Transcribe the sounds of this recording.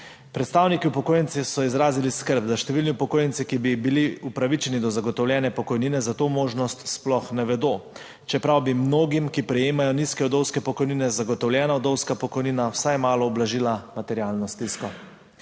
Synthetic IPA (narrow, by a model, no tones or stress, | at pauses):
pɾɛt̪st̪aːwnikiupɔkoːjɛnt̪sisɔizɾaːziliskəɾb̚d̪aʃt̪ɛʋiːlniupɔkoːjɛnsikibibiliupɾaʋit͡ʃɛnid̪ɔzaɡɔt̪ɔwlʲjɛːnɛpɔkɔjniːnɛzat̪oːmoːʒnɔst̪splɔxnɛʋɛd̪oː | t͡ʃɛpɾawbimnoːɡimkipɾɛjeːmajɔniskɛɔd̪ɔwskɛpɔkɔjniːnɛzaɡɔt̪ɔwlʲjɛːnaɔd̪ɔwskapɔkɔjniːnawsajmaːlɔɔblaʒiːlamat̪ɛɾiaːlnɔst̪iskɔ